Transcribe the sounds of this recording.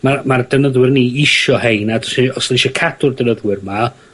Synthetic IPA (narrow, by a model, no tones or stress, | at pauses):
mamardənəðwɪrniːɪʃɔhejnadɔ̥siɔsɔliʃɔkʰad̥ʊrdənəðwɪrma